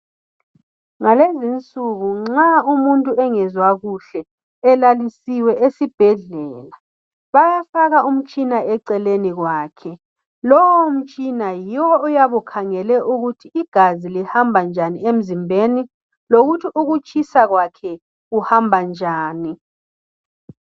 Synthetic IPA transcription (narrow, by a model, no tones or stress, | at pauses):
ŋalezint͡sʼuɣuŋ͡ǁaumuntʼuɛŋɛzwaɣuɬɛ | ɛlalisiwɛʔesib̥ʱɛɮɛːla | βajafaɣaʔum̩t͡ʃʼinaɛǀɛleniɣwaːkʰɛ | lɔwɔum̩t͡ʃʼinajiwɔːjaβukʰaŋɛlɛʔuɣutʰiːɡ̥ʱazilihambʱand͡ʒʱaniem̩zimbʱeni | loɣutʰiʔuɣut͡ʃʼʰisaɣwakʰɛ | ɣuhambʱand͡ʒʱaːni